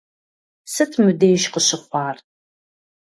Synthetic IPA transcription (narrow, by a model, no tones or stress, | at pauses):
sɨtʰmɨdeːʃqəɕɪχʷɑːr